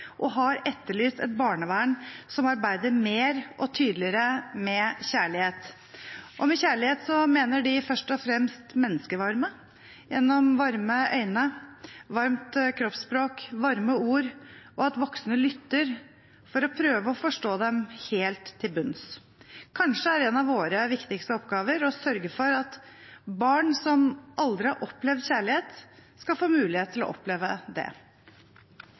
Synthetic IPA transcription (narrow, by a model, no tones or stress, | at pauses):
ʔɔɦɑɾɛt̪ːəɭyːst̪ɛ̰t̪̚bɑːɳəʋæːɳsɔmɑɾbæɪd̪əɾmeːɾʔɔt̪ʰyːd̪lɪəɾəmɛçæːɭɪheːt̪ | ʔɔmɛçæːɭɪheːt̪sɔmeːnəɖɪfœʂʈɔfɾɛmst̪mɛnːəskəʋɑɾmə | jɛnːɔmʋɑɾməʔœʏnəʋɑɾmt̪kʰɾɔpspɾoːkʋɑɾməuːɾʔɔɑt̪ʋɔksnəlʏt̪ːəɾ | fɔɾɔpʰɾøːʋəɔfɔʂʈoːd̪ɛmheːlt̪ʰːɪlbʉns | kʰɑnʂəæɾɛnɑʋʋoːɾəʋɪkt̪ɪkst̪əɔpːɡɑːʋəɾɔsœɾɡəfɔɾɑt̪bɑːɳsɔmʔɑld̪ɾɪhɑɾʔɔplɛʋd̪çæːɭɪheːt̪skɑfoːmʉːlɪheːt̪ʰːɪlɔ̰ʔɔ̰pleːʋəd̪ɛ̰